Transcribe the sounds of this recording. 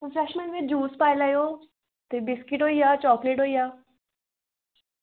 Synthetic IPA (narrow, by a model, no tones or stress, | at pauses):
fɾɛʃmẽɳʈʋed͡ʒuːspaːjlajo | t̪ebɪskɪʈɦoːijaːt͡ɕɔːkleʈɦoijaː